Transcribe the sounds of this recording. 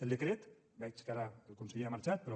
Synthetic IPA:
eld̪ekɾet̪ | ɡajt͡ʃkaɾaelkonseʎeamaɾt͡ʃat̪̚peɾo

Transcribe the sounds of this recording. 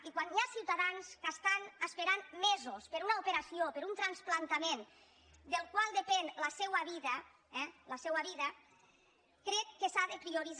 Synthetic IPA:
ikwanjasiwt̪aðanskast̪anaspeɾanmɛzospeɾunaupeɾasiopeɾunt̪ɾansplant̪amen | d̪elˠkwalˠd̪epenlasɛwaβiða | ɛlasɛwaβiða | kɾɛtːesaðepɾioɾiz

